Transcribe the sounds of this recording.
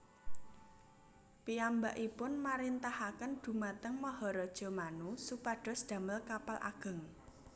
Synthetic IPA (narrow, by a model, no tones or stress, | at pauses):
piambaʔipʊnmaɾint̪ahakənd̪̥ṳmat̪əŋməɦɔɾɔd̥ʒ̥ɔ̤manusupaɖ̥ɔ̤sd̪̥ä̤məlkapalʔa̰ɡ̥ə̤ŋ